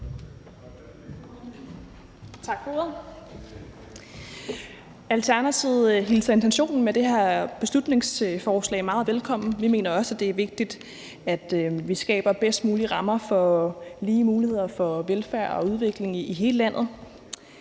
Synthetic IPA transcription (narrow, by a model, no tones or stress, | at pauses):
t͡sʰɑ̈ɡ̥fo | ælt͡sʰæɐnæt͡sʰiʊɦilsɐent͡sʰenɕo̝̰ːnn̩med̥e̝hæɐ̰b̥e̝slud̥ne̝ŋsfɒːslɛ̰ɪmɑ̈ːð̞̩ˠʋelkʰɒ̽m̰n̩ʋime̝̰ːnɐɒ̽sæd̥e̝æɐʋe̝ɡ̥̚d̥id̥ | æd̥ʋisɡ̥ɛ̰ːb̥ɐb̥esd̥muːliʁɑ̈mɐfɒ̽liːmuːlihe̝ð̰ˠɐfɒ̽ʋelfæɐ̰ɒ̽uð̞ˠʋe̝ɡ̥le̝ŋiɦe̝ːləlæn̰ð̞̩ˠ